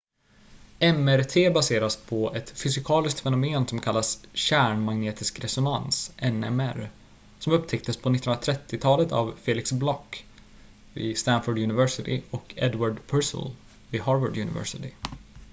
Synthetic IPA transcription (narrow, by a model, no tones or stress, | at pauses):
ɛmæɾt̪ʰeːbaseːɾaspʰɔɛt̪fʏsɪkʰɑːlɪskt̪fɛnʊmeːnsɔmkʰalːasɕæːɳmaɡneːt̪ʰɪskɾɛsʊnansʔɛnɛ̰mæɾ | sɔmɵpt̪ʰɛk̚t̪əspʰɔnɪt̪ːənɾat̪ʰɾɛt̪ːɪt̪ʰɑːlət̪a̰vfeːlɪksblɔkː | vɪ̰ːst̪ænfʊɖjʉnɪvɛʂɪt̪ɪɔkʰɛ̰d̪waɖpʰœsə̰l | vɪɦɑːɾvəɖjʉnɪ̰vɛ̰ʂɪt̪ɪ